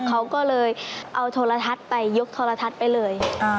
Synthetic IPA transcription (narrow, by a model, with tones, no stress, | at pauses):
kʰa˦˥wkɔː˥˩lɤː˧jʔa˧wt̪ʰoː˧la˧t̪ʰa˦˥t̪̚pa˧jːo˦˥k̚t̪ʰoː˧la˧t̪ʰa˦˥t̪̚pa˧jlɤː˧ja˧